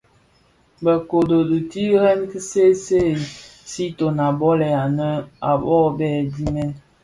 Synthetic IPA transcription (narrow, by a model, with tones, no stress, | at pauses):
bə˨ko˨do˨du˨ti˦ɾɛ˦n˦ki˦se˦se˦˨si˦to˨na˨bɔ˦lɛ˨a˨nə˦a˨bɔ˦bɛ˦˨di˦mɛ˦n